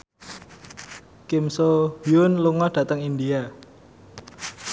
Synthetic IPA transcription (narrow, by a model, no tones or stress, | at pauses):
kɪmsohjʊnluŋɔɖ̥ä̤t̪əŋind̪ia